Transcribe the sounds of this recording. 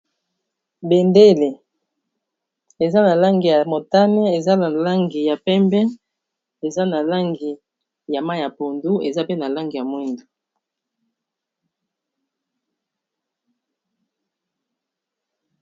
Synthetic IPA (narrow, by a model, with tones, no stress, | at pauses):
be˨nde˦le˨ | e˨za˦na˨la˦ŋɡi˨ja˨mo˨ta˦nɛ˦e˨za˦na˨la˦ŋɡi˨ja˨pɛ˦mbɛ˦ | e˨za˦na˨la˦ŋɡi˨ | ja˨ma˦ja˨po˨ndu˦e˨za˦pe˦na˨la˦ŋɡi˨ja˨mwi˦ndu˨